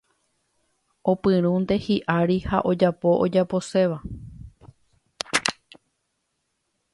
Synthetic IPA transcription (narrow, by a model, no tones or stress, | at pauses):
o̞pɨ̃ɾ̃ũnd̪e̞hiʔaɾiha̰ʔo̞d͡ʒapo̞ʔod͡ʒapo̞se̞ʋa